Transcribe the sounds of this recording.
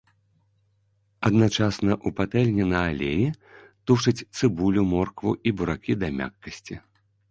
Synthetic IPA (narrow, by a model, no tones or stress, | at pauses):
ɐd̪nat͡ʂasnɐʔupat̪ɛlʲnʲinɐːlʲejit̪uʂɐt͡sʲt̪sɨbulʲumɔrkvuʔibuɾakʲid̪ɐmʲa̰kːɐsʲt͡sʲi